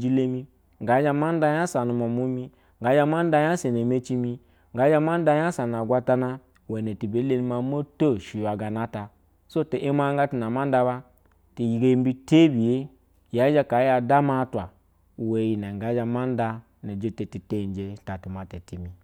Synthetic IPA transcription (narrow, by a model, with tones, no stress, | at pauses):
d͡ʒi˦le˦mi˦ | ŋɡa˨˦d͡ʒa˧ma˦n˦da˧ja˦sa˨nu˧mo˨mu˦mi˦ | ŋɡa˨˦d͡ʒa˧ma˦n˦da˧˦ja˦se˨ne˨me˦t͡ʃi˧mi˧ | ŋɡa˨˦d͡ʒa˦ma˦n˦da˧˦ja˦sa˨n˨a˨ɡʷa˧ta˧na˧ | we˨ne˨ti˨be˨˦le˦ni˦ma˨˦mo˦to˦˨ʃi˨a˨ɡa˨na˦ta˨ | so˦te˨ʔe˦ma˦ŋ˦ɡa˦ti˨na˨ma˦n˦da˧βa˧ | ti˨ji˨ɡe˧˦m˦bi˦te˦bi˨je˦ | ja˨˦d͡ʒa˧ka˨˦ja˨da˦ma˦tʷa˨ | we˨ji˨na˨ŋ˨ɡa˨˦d͡ʒa˧ma˦n˦da˧ | ne˨d͡ʒe˦te˨ti˨te˦˨n˨d͡ʒe˨ta˨ti˨ma˨te˨ti˨mi˨